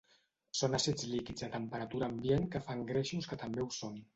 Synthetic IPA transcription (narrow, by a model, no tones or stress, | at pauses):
sonasɛd͡zlikid͡zd̪ət̪əmpəɾat̪uɾaːmbienkəfaŋɡɾeʃuskət̪əmbeuson